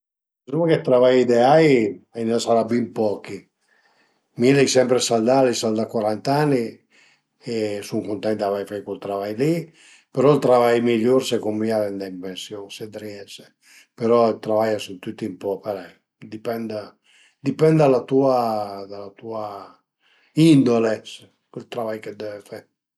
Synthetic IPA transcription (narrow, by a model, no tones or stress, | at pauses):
sumaket̪ːɾavajid̪eajajnasaɾabimpɔki | milɛjsɛmpɾesald̪alisald̪akwaɾant̪anːi | esuŋkont̪ɛnt̪aavajfajkolt̪ɾavajli | peɾɔilt̪ɾavajmiʎːoɾsekomːiaɾɛnd̪aimpensjosed̪ɾiɛse | peɾɔilt̪ɾavajasunt̪ut̪ːiumpɔpeɾɛ | d̪ipɛnd̪a | d̪ipɛnd̪d̪alat̪uad̪alat̪ua | ind̪oles | kwelt̪ɾavajked̪ɛvefɛɾ